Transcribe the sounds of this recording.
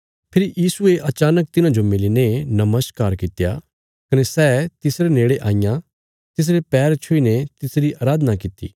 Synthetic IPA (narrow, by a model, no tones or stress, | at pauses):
pʰɪɾijiːsueʔɐt͡ʃaːnək̚t̪ɪnãd͡ʒomɪlinenɐməskaːɾkɪt̪ja̰ | kɐnesɛːt̪ɪsɾeneːɽeʔaːɪjã | t̪ɪs̬ɾepɛːɾt͡ʃʰʊinet̪ɪsɾiʔaːɾaːd̪ənakɪt̪ːḭː